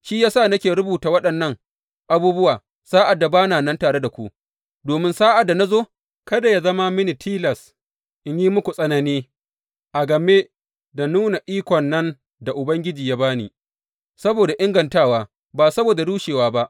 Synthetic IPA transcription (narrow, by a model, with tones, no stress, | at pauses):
ʃiː˦jaː˦saː˦˨nɐ˦kʲeː˨ɾʊ˦buː˨taː˨wɐ˦ɗɐ˨nːɐ˦ŋ | ʔa˦buː˦bʊ˦waː˨ | saː˦ʔa˨dːa˨baː˦naː˨nɐ˦ntaː˨ɽe˦da˨kʷṵ˦ʔ | doː˨mɪ˦nsaː˦ʔa˨dːa˨na˦zoː˦ | kɐ˦da˨ja˦zɐ˦ma˦mɪ˦ni˨tʰiː˦lɐ˨s | ʔɪ˦ɲji˦mʊ˦kʷu˨sʼɐ˦nɐ˦niː˦ | ʔa˨ɡɐ˨me˦ | da˨nuː˦na˨ʔiː˦kʷɔ˨nːɐ˦n | da˨ʔʊ˨bɐ˦ŋɡʲɪ˦d͡ʒiː˨jaː˦baː˦nḭː˨ | sɐ˦boː˨da˨ʔɪ˦ŋɡɐ˨ntaː˦waː˦ | baː˨sɐ˦boː˨da˨duː˦ʃeː˨waː˦ba˦ʔ